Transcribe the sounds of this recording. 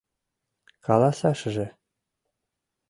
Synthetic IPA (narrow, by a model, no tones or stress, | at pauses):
kɑlɑsɑʃ̆ʒĕ